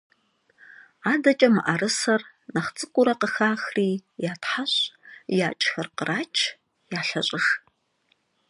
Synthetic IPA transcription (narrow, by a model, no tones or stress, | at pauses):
aːdɐt͡ʃʼɐmɨʔarɨsɐr | nɐχt͡sʼɨkʷʼʊɾɐqəxaːxriːjaːtʰħaɕjaːt͡ʃʼxɐrqərʔaːt͡ʃʰ | jaːɬɐɕʼɪx